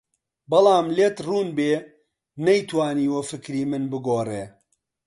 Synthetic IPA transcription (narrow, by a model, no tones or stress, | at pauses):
bɐlˠɑːmleːt̪ruːnbeː | nɐjt̪waːniːwɐfɨkɾiːmɨnbɨɡoːreː